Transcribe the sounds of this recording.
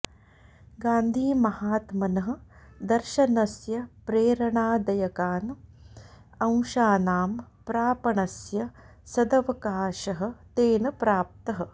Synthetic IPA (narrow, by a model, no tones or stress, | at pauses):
ɡaːnd̪ʱiːmɐhaːt̪mɐnɐɦɐ̆d̪ɐɾʃɐnɐsjɐpɾeːɾɐɳaːd̪ɐjɐkaːn | ɐ̃w̃ʃaːnaːmpɾaːpɐɳɐsjɐ | sɐd̪ɐʋɐkaːʃɐɦɐ̆t̪eːnɐpɾaːp̚t̪ɐɦɐ̆